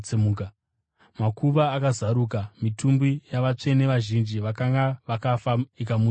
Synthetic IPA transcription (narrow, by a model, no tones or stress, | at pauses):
emuːka | makʰuʋaːkazaɾuːkamitʰumbijaʋat͡ʂe̞ne̞ʋaʒind͡ʒiʋakaŋɡaʋakafaikamu